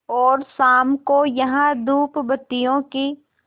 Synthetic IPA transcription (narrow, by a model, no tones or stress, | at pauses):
ɔːɾsaːmkojɐɦãd̪uːpbɐt̪ːijõki